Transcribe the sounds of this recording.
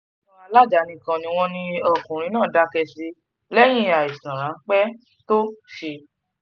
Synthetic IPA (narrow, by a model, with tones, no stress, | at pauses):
ɔ̃˧a˧la˦˨d͡ʒa˨˦nĩ˧kã˧nĩ˧w̃ɔ̃˧nĩ˧ɔ˦˨kũ˨ɾ̃ĩ˨˧nãː˦˨da˧˦kɛ˧si˧ | lɛ˦j̃ĩ˦a˨i˨sã˨ɾ̃ã˨˦k͡pɛ˦ | to˦ʃe˧